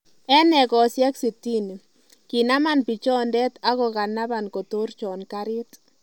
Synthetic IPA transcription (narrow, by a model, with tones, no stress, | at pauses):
ɛ˦nɛ˨kɔ˨sjɛ˦ksi˨ti˦n˨ | ki˨na˦ma˦˨npi˨t͡ʃɔ˦ndɛ˦ta˦ɣɔ˨ka˨na˦βa˨nko˨to˦rt͡ʃɔ˨nka˦ɾɪ˦t